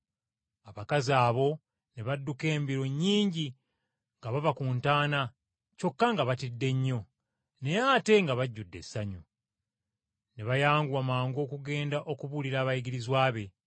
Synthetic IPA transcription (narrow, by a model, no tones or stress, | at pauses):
aβakazaːβo̞ | neβadːuke̞ːmbiɾo̞ɲːiːɲɟi | ŋɡaβavakuːntaːna | co̞kːaŋɡaβatidːe̞ɲːo̞ | ne̞jate̞ŋɡaβaɟːudːe̞̰sːaɲu | ne̞βajaːŋɡuamaːŋɡo̞ːkuɡe̞ːndaʔo̞kuβuliɾaːβajiɡiɾizwaːβe̞